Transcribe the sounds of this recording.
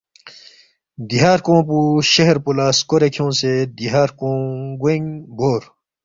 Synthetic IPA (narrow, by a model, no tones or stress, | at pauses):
d̪iɦaːɾkõːpuɕɐɦɾpulaːskoɾekʰijõːsed̪iɦaːɾkõːɡeŋboːɾ